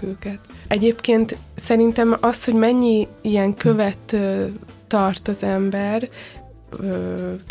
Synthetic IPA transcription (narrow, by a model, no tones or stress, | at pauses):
øːkɛt̪ɛɟeːpkeːnt̪sɛɾint̪ɛmɒsho̞ɟmɛɲːiijɛŋkʰøvɛt̪ː | ɒrt̪ɒzɛmbɛr | øː